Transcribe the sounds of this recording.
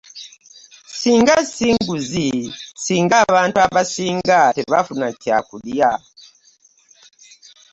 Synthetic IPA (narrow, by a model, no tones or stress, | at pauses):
siːŋɡasiŋɡuzisiːŋɡaβaːntuaβasiːŋɡateβafunaca̰kulja